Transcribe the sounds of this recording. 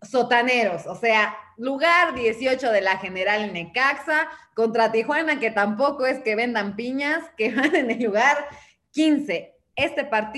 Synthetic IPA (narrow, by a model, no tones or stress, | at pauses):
so̞t̪aneɾo̞sose̞aluɣaɾðje̞sjo̞t͡ʃo̞ðe̞laxe̞ne̞ɾaline̞kaksako̞nt̪ɾat̪ixwanake̞t̪ampo̞ko̞e̞ske̞βe̞nd̪ampiɲaskeβane̞nelːuɣaɾ | kinse̞ | est̪e̞paɾt̪